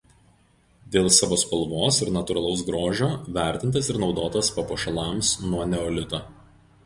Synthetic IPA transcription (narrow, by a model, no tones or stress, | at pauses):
d̪ʲeːlˠsɑːʋoːspɐlˠʋoːsɪɾnɐt̪ʊɾɐlˠɐʊs̬ɡɾoːʒʲoːʋʲæˑɾʲt̪ʲɪnt̪ɐsɪɾnɒʊd̪oːt̪ɐspɐpoːʃɐlˠɑːˑmsnuɔnʲɛɔːlʲɪt̪oː